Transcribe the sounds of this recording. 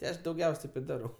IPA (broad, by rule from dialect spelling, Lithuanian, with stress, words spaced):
tʲɪ ˈɐʃ dɐʊˈɡʲɛʊsʲ ˈtɐɪp ɪ ˈdɑːrɐʊ